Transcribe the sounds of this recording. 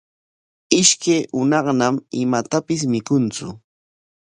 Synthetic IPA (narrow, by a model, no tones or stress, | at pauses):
ɪʃkajʔʊnɑχnamɪmat̪apɪs̬mɪkʊnt͡sʊ